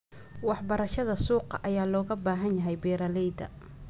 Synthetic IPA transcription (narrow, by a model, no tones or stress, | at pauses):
wɑħbɐɾɐʃɐðɐsuːqɑ̰ʔɐjaːlɔːɣɐbaːɦɐnjɐɦɛjbɛːɾɐlɛjd̪ɐ̰